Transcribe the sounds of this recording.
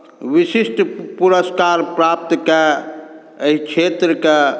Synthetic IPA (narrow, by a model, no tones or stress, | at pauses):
ʋisisʈpuɾəskaɾpɾap̚t̪ke | əɦit͡ʃʰet̪ɾəke